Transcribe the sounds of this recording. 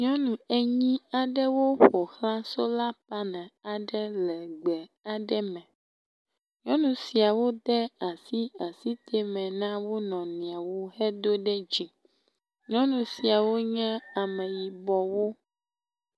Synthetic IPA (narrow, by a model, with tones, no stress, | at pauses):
ɲɔ̃˦nũ˨e˦ɲĩ˦a˨ɖɛ˦wo˦ɸo˨xlã˦so˦la˦pa˦nɛ̃˨a˨ɖɛ˦lɛ˨ɡ͡bɛ˨a˨ɖɛ˦mɛ̃˨ | ɲɔ̃˦nũ˨si˨a˨wo˦d̪ɛ˦a˨si˦a˨si˦t̪ʰe˦mɛ̃˨nã˦wo˦nɔ̃˨nĩ˨a˨wo˦hɛ˦d̪o˦ɖɛ˦d͡ʑi˨ | ɲɔ̃˦nũ˨si˨a˨wo˦ɲɛ̃˦a˨mɛ̃˨ji˨bɔ˨wo˦